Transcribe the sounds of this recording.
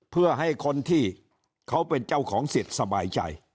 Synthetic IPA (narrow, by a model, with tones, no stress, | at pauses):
pʰɯ˥˩ɐɦa˥˩jkʰo˧nt̪ʰiː˥˩ | kʰa˦˥wpe˧nt͡ɕa˥˩wkʰɔː˩˦ŋsi˨˩t̪̚sa˧baː˧jt͡ɕa̰˧j